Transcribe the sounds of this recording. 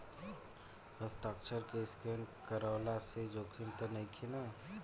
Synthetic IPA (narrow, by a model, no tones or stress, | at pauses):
həst̪aːkt͡ʃʰəɾkeskeːnkəɾaʊlased͡ʒoːkʰint̪onəĩkʰina